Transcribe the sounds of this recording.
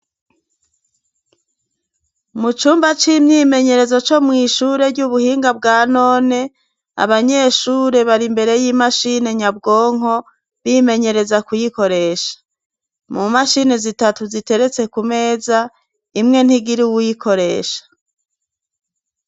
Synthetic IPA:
mut͡ʃuːmbat͡ʃimɲime̞ɲe̞ɾe̞zo̞t͡ʃo̞mŋiːʃuɾe̞ɾɟuβuhiːŋɡabɡaːno̞ːne̞ | a̰βaɲe̞ːʃuːɾe̞βaɾimbe̞ɾe̞jiːmaʃine̞ɲab̚ɡo̞ːŋ̥o̞ | βime̞ɲe̞ɾe̞zakujiko̞ɾe̞ːʃḁ | mumaʃine̞zitatuzite̞ɾe̞t͡se̞kume̞ːza | imŋe̞n̥iɡiɾiwujikʰo̞ɾe̞ːʃḁ

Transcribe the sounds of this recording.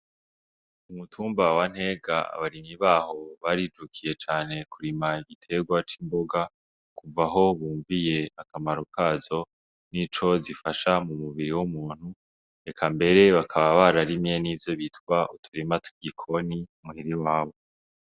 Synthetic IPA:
umutʰuːmbawan̥he̞ːɡaa̰βaɾimiβaːho̞βaɾid͡ʒukʰije̞t͡ʃaːne̞kuɾimaiɡitʰe̞ɡwat͡ʃiːmbo̞ɡa | kuvaɦo̞βuːɱvije̞akamaɾokʰaːzo̞ | nit͡ʃo̞zifaʃamumuβiɾiwumuːn̥hu | ekʰambe̞ɾe̞βakʰaβaβaɾaɾimje̞nivjo̞βitkwaʔutʰuɾimatʰu̥ɡikʰo̞nimuiɾiwaːβo̞

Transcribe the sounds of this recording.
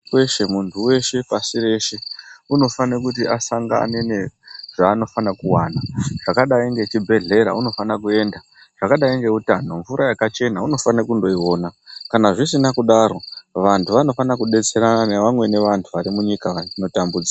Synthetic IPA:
weʃe̞muntʰuwe̞ʃe̞pasire̞ʃe̞uno̞fanekutiʔasaŋɡa̰ne̞ne̞ʐaːno̞fanakuwanaʐ̥akaɗaiŋɡe̞t͡ʃibʱe̞ɮe̞ɾa̰uno̞fanakue̞ːnda | ʐ̥akaɗaiŋɡe̞utano̞ɱvuɾajakat͡ʃe̞nauno̞fanakundo̞iwo̞ːnakanaʐisinakuɗaɾo̞ʋantʰuʋano̞fanakuɗe̞t͡se̞ɾananeʋamwe̞ne̞ʋantʰuʋaɾimuɲikaʋaino̞tambud͡zia

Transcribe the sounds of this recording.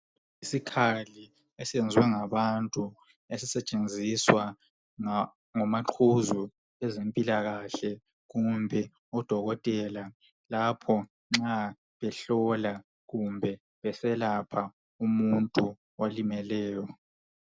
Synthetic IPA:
isikʰali | esiɛnd͡zʱwɛŋaβantʼu | esisɛt͡ʃʼend͡zʱiswa | ŋɔmaǃʰuzu | ɛzempʼilaɣaɬɛ | ɣumbʱɛ | ɔd̥ʱɔɣɔtʼɛla | lapʰɔ | ŋ͡ǁa | βɛɬɔla | ɣumbʱɛ | βɛsɛlapʰa | umuntʼu | walimɛlɛːjɔ

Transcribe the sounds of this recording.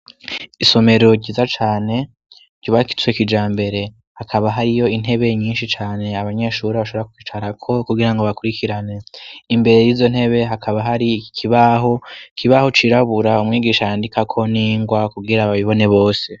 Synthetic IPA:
iso̞me̞ɾo̞ɟiːzat͡ʃaːne̞ | ɟoβaki̥t͡swekid͡ʒaːmbe̞ɾe̞ | hakʰaβaɦaɾijo̞in̥he̞βe̞ɲiːnʃit͡ʃaːne̞aβaɲe̞ʃuɾiβaʃo̞βɾakukit͡ʃaɾakʰo̞kuɡiɾaŋɡo̞βakuɾikʰiɾane̞imbe̞ɾe̞jiːzon̥he̞βe̞ɦakʰaβaɦaɾikʰiβaɦo̞kʰiβaho̞t͡ʃiɾaβuɾaumŋiːɡiːʃajaːndikʰakʰo̞niːŋɡwakuɡiɾaβaβiβo̞ne̞βo̞ːse̞

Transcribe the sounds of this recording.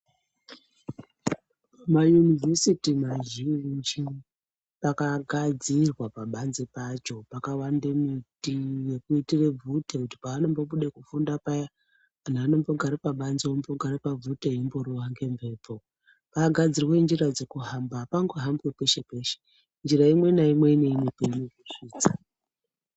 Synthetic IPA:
majunive̞sitimaʒind͡ʒi | pakaɡʱad͡zirwapaɓanzepat͡ʃo̞pakawandemitije̞kuitire̞b͡vʱutekuti̥paːno̞mbo̞ɓuɗekufundapaja | anaaːno̞mbo̞ɡʱaɾipaɓanzoomboɡʱaɾepavuteimbo̞ɾuɦaŋɡe̞mbʱe̞ːpo̞ | paaɡʱad͡zirwe̞nd͡ʒirad͡zekuɦambapaŋɡoɦambwepe̞ʃe̞pe̞ːʃe̥ | nd͡ʒiraimwe̞naimwe̞ineinepeiɲekuʂiːt͡sa

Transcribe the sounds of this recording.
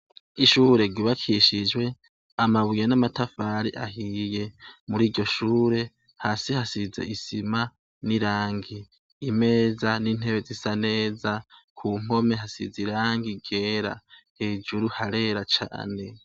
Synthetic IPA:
iʃuɾe̞ɡiβakʰiʃid͡ʒwe̞ | amaβujenamatafaːɾiʔa̰ɦije̞muɾiːɟo̞ʃuːɾe̞ | hasihasizḛʔisima | niɾaːŋɡiː | me̞ːzaniːn̥heβe̞zisane̞ːzakʰuŋ̥o̞me̞ɦasḭziɾaːŋɡiɡe̞ːɾa̰heːd͡ʒuɾuhaɾe̞ːɾat͡ʃa̰ːne̞

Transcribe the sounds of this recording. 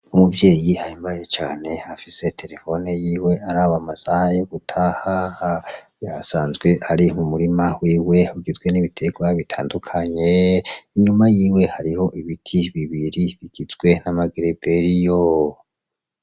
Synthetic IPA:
umuvje̞ːjihaimbajet͡ʃaːne̞afise̞tʰe̞ɾe̞fo̞nejiːwe̞ʔaɾaːβamasahajoɡutʰaːhaha | jasaːnzɡwe̞ʔaɾimumuɾimawiːwe̞huɡizɡwe̞niβitʰe̞ɡwaβitʰa̰ːndukʰaɲe̞iɲumajiːwe̞haɾiho̞ʔiβitʰiβiβiɾiβiɡ̥izɡwe̞namaɡeɾibeɾijo

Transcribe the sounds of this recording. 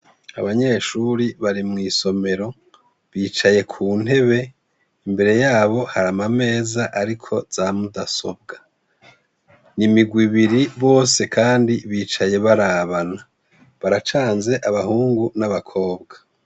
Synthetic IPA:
a̰βaɲe̞ʃuɾiβaɾimŋiːso̞me̞ɾo̞ | βiːt͡ʃaje̞kʰuːn̥he̞βe̞ | imbe̞ɾe̞jaːβo̞haɾamame̞ːzaʔaɾikʰo̞z̥aːmudaso̞b̚ɡa | nimiɡwiβiɾiβo̞ːse̞kʰaːndiβiːt͡ʃaje̞βaɾaβana | βaɾat͡ʃaːnze̞ʔaβahuːŋɡunaβakʰo̞ːbɡḁ

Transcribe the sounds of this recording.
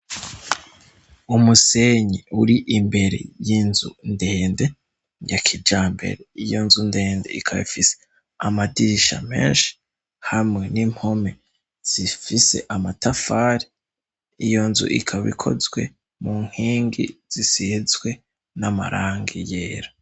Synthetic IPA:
umuse̞ɲiuɾiʔimbe̞ɾḛjinzunde̞ːnde̞ | jakʰid͡ʒaːmbe̞̰ɾeijo̞nzunde̞ːndeikʰaβḭfise̥ | amadiɾiʃa̰mḛːnʃi̥ | hamŋe̞nim̥ho̞me̞ | z̥ifise̞̰ʔamatafaːɾi | ijo̞nzṵʔḭkʰaβḭkʰo̞̰zwe̞̰ | muŋ̥hiːŋɡḭz̥isizɡwe̞ | nama̰ɾʔaːŋɡijeːɾa

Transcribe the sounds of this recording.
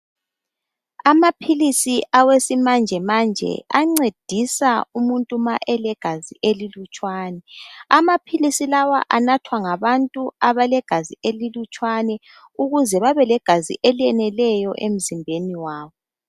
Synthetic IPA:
amapʰilisiʔawesimand͡ʒʱɛmand͡ʒʱɛ̰aŋ͡ǀed̥ʱisaumuntʼumaʔɛlɛɡ̥ʱaziʔelilut͡ʃʼwaːnɛamapʰilisilawa̰ʔanatʰwaŋaβantʼuaβalɛɡ̥ʱazielilut͡ʃʼwanɛ | uɣuzɛβaβɛlɛɡ̥ʱazḭʔeliɛnɛlɛjɔʔem̩zimbʱeniwaːβɔ

